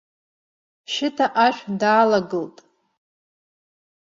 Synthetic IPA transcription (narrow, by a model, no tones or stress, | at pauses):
ʃɪtʰaʔaʃᶣdaːlaɡɨltʼ